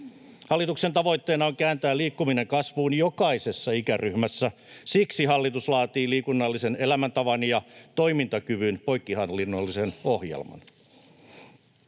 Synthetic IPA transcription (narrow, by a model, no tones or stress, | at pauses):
hɑlːit̪ukse̞nt̪ɑʋo̞jt̪ːeːnɑoŋkæːnt̪æːliːkːumine̞ŋkɑsʋuːnjokɑise̞sːɑikærʔyhmæsːæsiksiɦɑlːit̪uslɑːt̪iːliːkunːɑlːisene̞læmænt̪ɑʋɑnjɑt̪o̞jmint̪ɑkyʋynpo̞jkːihɑnlːinːolːiseno̞hjḛlmɑ̰n